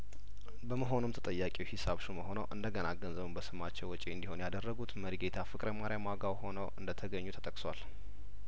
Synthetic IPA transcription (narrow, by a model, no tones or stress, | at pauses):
bəməɦo̞numt̪ʰə̥t̪ʼəjːakʼiwhisaβʃuməɦo̞nəwʔɨnd̪əɡənaɡənzəβumbəsɨmat͡ʃːɛwːɔt͡ʃʼeɨnd̪iho̞njad̪ərːəɡut̪məɾiɡe̞t̪ʰafɨkʼɾəmaɾijamaɡawho̞nəwʔɨnd̪ət̪ʰəɡəɲːut̪ʰət̪ʰʼəkʼswal